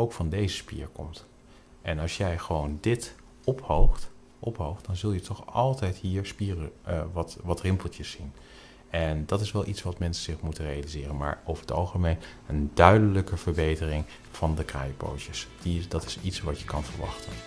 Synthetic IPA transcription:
owkfɑndejzəspḭːɹkɔ̰mt | ʔɛnɑlˠʃjɛjχəʋowndɪt | ɔphowχt | ʔɔpɦowχt̚d̥ɑnzɵlˠjətʰɔχɑlˠtɛjtɦiːɹspiːrəʋɑtʋɑtrɪmpəlˠtəsːin | ɛndɑtɪsʋɛlˠʔitsʋɑtmɛnsəz̥ɪχmutənrejalizɪːrənma̰ːɹowvəɹɦətɑ̰lˠχəmejn | əndœɥdələkəvəɹbejtərɪŋ | v̥ɑndəkra̰ːjəpo̰wtəsd̥idɑtɪ̥sitsʋɑtjəkɑnvəɹʋɑ̰χtən

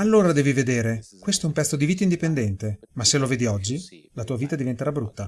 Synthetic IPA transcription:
alːoːɾad̪ɛːvived̪eːɾekwest̪oɛumpɛt̪sːod̪iviːt̪aind̪ipend̪ɛnt̪emasːeloveːd̪iɔd͡ʒːi | lat̪uːaviːt̪ad̪ivent̪eɾabɾut̪ːa

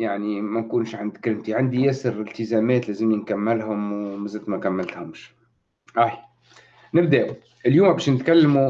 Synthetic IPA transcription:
jaʕnimænkuːnʃʕand̪kɾɪmt̪iʕand̪ijɛːsɪɾɪlt̪ɪzæːmɛːt̪læːzɪmjɪnkamːɪlhʊmwmɪzæt̪mækamːɪlt̪hʊmʃ | ʔaħi | nɪb̚d̪æʔ | ʔɪljuːmbæːʃnɪt̪kalːmu

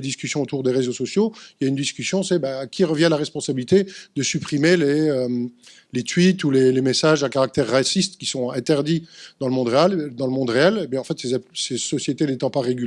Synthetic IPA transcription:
d̪iskʲysjɔ̃ot̪uʁd̪eʁezosɔsjoiljaynd̪iskʲysjɔ̃sɛbakʲʰiʁəvjɛ̃laʁɛspɔ̃sabilit̪ed̪əsypχimeleøm | let̪ɥit̪ulelemesaʒɛ̃kaʁak̚t̪ɛʁːasist̪kʲi̥sɔ̃ɛ̃t̪ɛʁd̪id̪ɑ̃ləmɔ̃d̪ʁeɛld̪ɑ̃ləmɔ̃d̪ʁeɛlebjɛ̃ɑ̃fɛt̪sesesɔsjet̪enet̪ɑ̃paʁeɡʲyl

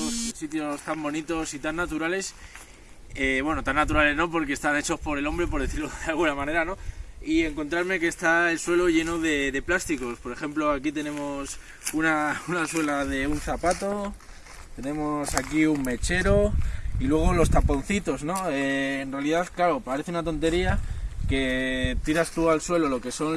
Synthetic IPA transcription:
sit̪jo̞st̪ambo̞nit̪o̞sit̪anːat̪uɾale̞s | eβwe̞no̞t̪anːat̪uɾale̞zno̞po̞ɾke̞st̪ane̞t͡ʃo̞spo̞ɾe̞lo̞mbɾe̞po̞ɾðeθiɾlo̞ðealɣ̞unamãne̞ɾano̞ie̞ŋko̞nt̪ɾaɾme̞ke̞ːst̪aelswe̞lo̞ʝe̞no̞ðe̞ðe̞plast̪iko̞spo̞ɾe̞xe̞mplo̞akit̪e̞nẽ̞mo̞s | unaunaswe̞laðe̞un̟θapat̪o̞ | t̪e̞nẽ̞mo̞sakiumme̞t͡ʃe̞ɾo̞ilwe̞ɣ̞olo̞st̪apo̞n̟θit̪o̞zno̞eːnrealiðaðklaɾo̞paɾe̞θeunat̪o̞nt̪e̞ɾiake̞t̪iɾast̪ualswe̞lo̞lo̞ke̞so̞n

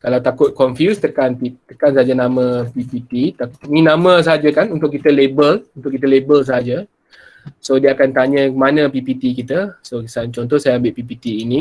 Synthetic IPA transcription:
kalawt̪akʊt̪̚kɔnfjust̪əkanpit̪əkansaɦad͡ʒanamə̃pipit̪it̪anĩnãmə̃s̬aɦad͡ʒakanunt̪ʊʔkːit̪əlebəlunt̪ʊʔkːit̪̬əlebəls̬aɦad͡ʒə | sodiəakant̪aɲə̃manə̃pipit̪ikit̪asosant͡ʃɔnt̪̬ɔhsajaambɪʔ̪̚pipit̪iːnĩ

